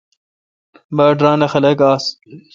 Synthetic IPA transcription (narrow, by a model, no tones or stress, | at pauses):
baːʈɾaːnɐxɐlɐkaːs